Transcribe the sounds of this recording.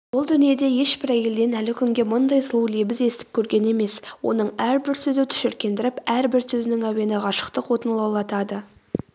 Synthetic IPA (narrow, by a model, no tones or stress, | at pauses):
bʊlˠd̪ʏnije̞d̪e̞je̞ʃbɪɾækʲe̞ld̪e̞nælɪkʲʰʏŋɡʲe̞mʊnd̪ɑjsəlˠuwlebɪze̞st̪ɪ̥p̚kʲʰɵɾɡʲe̞ne̞me̞swo̞̰nəɴæɾbɪɾsɵzet̪ʰʏ̥ʃɪɾkʲe̞nd̪ɪɾɪpæɾbɪɾsɵzɪnɪŋæwe̞nɪʁɑʃə̥qt̪əqwo̞t̪ənlˠɑwlˠɑt̪ɑd̪ə